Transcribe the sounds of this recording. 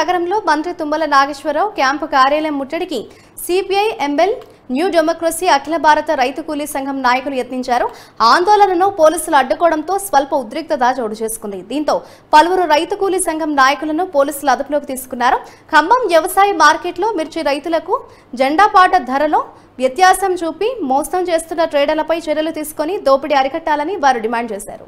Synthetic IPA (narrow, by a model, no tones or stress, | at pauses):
ɐɡɐɾɐmlo̞ːmɐnt̪ɾit̪umbɐlɐnaːɡɐʃʋɐɾɐwkjaːmpukaːɾjaːlɐjɐmːuʈːɐɽiki | siːpiɐjʔemːel | njuːɖemoːkɾɐsiːɐkʰilɐbʱaːɾɐt̪ɐɾɐjt̪ukuːlisɐŋɡʱɐmnaːjɐkulujet̪niɲt͡ʃaːɾuaːnd̪oːlɐnɐnoːpo̞ːliːsuluɐɖːukɔːɽɐnt̪o̞ːsʋɐlpɐud̪ɾik̚t̪ɐd̪aːd͡ʒɐːɽut͡ʃe̞ːsu̥kund̪id̪iːnt̪o̞ː | pɐlɐʋuɾuɾɐjt̪ukuːlisɐŋɡʱɐmnaːjɐkulɐnupoːliːsuluɐd̪uɐpulo̞ːkit̪iːsu̥kunːaːɾukʰɐmbɐmjɛʋɐsaːjɐmaːɾkeːʈlo̞ːmiɾt͡ʃiɾɐjt̪ulɐku | d͡ʒɐɳɖaːpaːʈɐd̪ʱɐɾɐloː | ʋjɐt̪jaːsɐmt͡ʃuːpimɔːsɐmt͡ʃe̞ːst̪unːɐʈɾeːɖɐɾlɐpɐjt͡ʃɛɾjɐlut̪iːsu̥konid̪o̞ːpiɽiɐɾikɐʈːaːlɐniʋaːɾuɖimaːɳɖ̚t͡ʃeːsa̰ːɾṵ